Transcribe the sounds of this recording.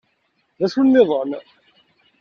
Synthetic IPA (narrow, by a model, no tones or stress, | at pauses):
ðæʃunːɪðˤən